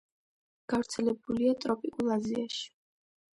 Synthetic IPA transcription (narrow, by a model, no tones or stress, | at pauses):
ɡ̥avɾt̪sʰɛlɛbuliat̪ʼɾɔpʼikʼulˠaziaʃi̥